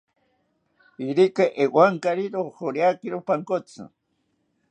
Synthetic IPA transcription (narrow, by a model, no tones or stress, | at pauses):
iɾikaʔewwaŋkaɾiɾoxoɾjakiɾopaŋkot͡sɨ̰